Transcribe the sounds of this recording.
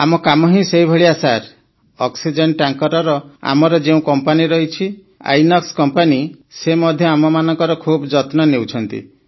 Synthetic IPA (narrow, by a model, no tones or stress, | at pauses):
amɔkamɔɦĩseɦjbʱɔɭiasaɾ | ɔksid͡ʒeɳʈaŋkɔɾɔɾɔa̰mɔɾɔd͡ʒeũkɔmpaniɾɔɦit͡ʃʰi | a̰jnɔkskɔmpanisemɔd̪ʱjɔamɔmanɔŋkɔɾɔkʰubd͡ʒɔt̪nɔnewt͡ʃʰɔnt̪ḭ